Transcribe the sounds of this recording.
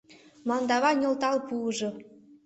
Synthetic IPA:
mɑnd̪ɑβɑnʲɤ̆lˠt̪ɑlˠpuɤ̆ʐɤ̆

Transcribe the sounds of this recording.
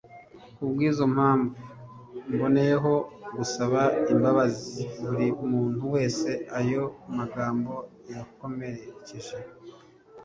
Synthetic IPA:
ubɡwiːzo̞m̥haːɱvu | mbo̞ne̞jeɦo̞ɡusaβaimbaβaziβuɾimuːnhuwe̞ːse̞ajo̞maɡaːmbo̞ | jako̞me̞ɾe̞ceʒe

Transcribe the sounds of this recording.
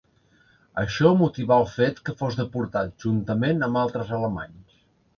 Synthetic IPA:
ə̰ʃɔmut̪iβaəlˠfet̪kəfozðəpuɾt̪at̪̚ʒunt̪əmenəmbalˠt̪ɾəzələma̰ɲs

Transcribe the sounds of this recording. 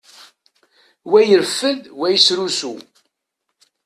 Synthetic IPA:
wæjəɾfːəðwæjəsɾusu

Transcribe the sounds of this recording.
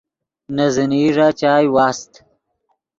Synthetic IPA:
nɐziniːʐat͡ʃaːjwaːst̪

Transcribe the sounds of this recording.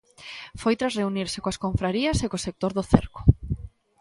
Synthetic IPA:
fojt̪ɾasreuniɾsekoaskoɱfɾaɾiɐsekosek̚t̪oɾðʊθḛɾkʊ̥

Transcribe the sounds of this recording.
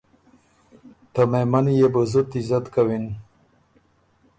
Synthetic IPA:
t̪əmemanijebəzut̪izat̪kawin

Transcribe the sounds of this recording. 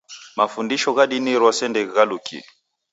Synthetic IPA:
mafundiʃɔɣaɗiniɾwasɛndɛɣɛɣalukḭli

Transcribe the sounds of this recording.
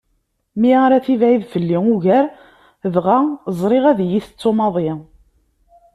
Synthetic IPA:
miaɾæθivʕiðfəlːiʊʝæɾ | vʁazˤɾˤɪʁæðjiθə̥t͡sːomɑðˤɪ

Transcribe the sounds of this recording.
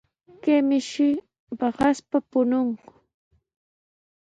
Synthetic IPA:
kemɪʃɪ | bɑɢɑspapʊnoɴqʊ̥

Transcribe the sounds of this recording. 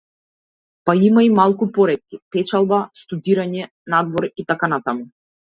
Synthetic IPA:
paimaimalˠkupɔɾɛt̪̚kʲipɛt͡ʃalˠbast̪ud̪iɾaɲɛ | nad̪vɔɾit̪akanat̪amu

